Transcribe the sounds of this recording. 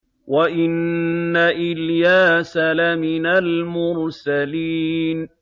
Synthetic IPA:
waʔɪnːaʔɪljaːsalamɪnalmʊɾsaliːn

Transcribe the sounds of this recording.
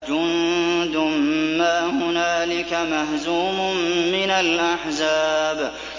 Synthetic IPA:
d͡ʒʊnd̪ʊmːaːmʊnaːlɪkamahzuːmʊmːɪnalʔaħzaːb

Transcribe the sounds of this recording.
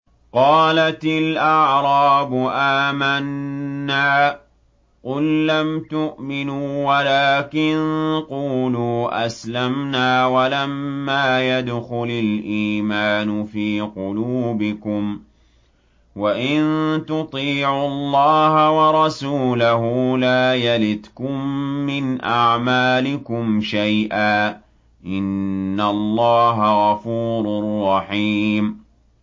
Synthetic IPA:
qɑːlat̪ɪlʔɑʕɾˤɑːbʊʔaːmanːaː | qʊlːamt̪ʊʔmɪnuːwalaːkɪnquːluːʔaslamnaːwalamːaːjad̪xʊlalʔiːmaːnʊfiːqʊluːbɪkʊm | waʔɪnt̪ʊt̪ˤiːʕʊlːɑːhawɑɾˤɑsuːlaɦʊlaːjalɪt̪kʊmːɪnʔaʕmaːlɪkʊmʃajʔaː | ʔɪnːalˤːɑːɦaɣɑfuːɾˤʊrˤːɑħiːm

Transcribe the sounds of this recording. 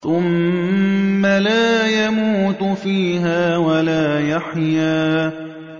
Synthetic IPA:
θʊmː | alaːjamuːt̪fiːɦaːwalaːjaħjaː

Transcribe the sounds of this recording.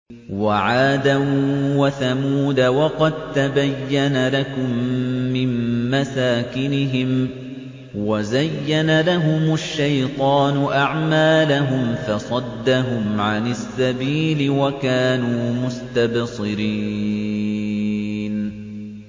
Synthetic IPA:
waʕaːd̪awaθamuːd̪awɑqɑd̪̚t̪abajːanalakʊmːɪmːasaːkɪnɪɦɪm | wazajːanalaɦʊmaʃːajt̪ˤɑːnʊʔaʕmaːlaɦʊmfɑsˤɑd̪ːaɦʊmʕanɪsːabiːlɪwakaːnuːmʊst̪absˤɨɾiː | n

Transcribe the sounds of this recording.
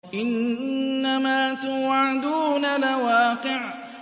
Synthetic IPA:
ʔɪnː | amaːt̪ʊwʕad̪uːnalawaːqɨʕ

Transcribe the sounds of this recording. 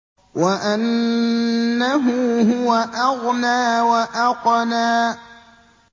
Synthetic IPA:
waʔanː | aɦʊɦʊwaʔaɣnaːwaʔaqnaː

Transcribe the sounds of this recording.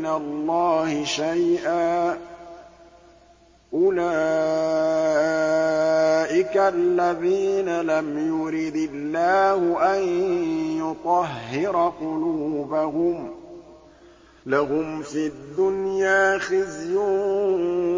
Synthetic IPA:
ɪnalːɑːhɪʃajʔaː | ʔʊlaː | ʔɪkalːaðiːnalamjʊɾid̪ɪlːaːhʊʔanjʊt̪ˤɑɦːɪɾqʊluːbahʊm | laɦʊmfid̪ːʊnjaːxɪzjʊː

